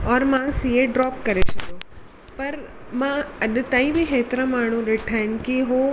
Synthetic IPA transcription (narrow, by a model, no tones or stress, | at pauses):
ɔːɾmãsieɖɾɔːpkɐɾesɐɡo | pɐɾ | mãɐɗ̆t̪aːĩbʱɪɦeːt̪ɪɾə̃maːɳ̤ũɗeːʈʰaːɦɪnɪ̆kiɦo